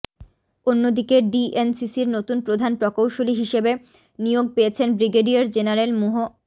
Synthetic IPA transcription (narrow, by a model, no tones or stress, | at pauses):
onːod̪ikeɖiensisiɾnot̪unpɾod̪ʱanpɾɔkowʃoliɦiʃebe | nijoɡ̚peet͡ɕʰenbɾiɡeɖiaɾd͡ʑenaɾelmuɦo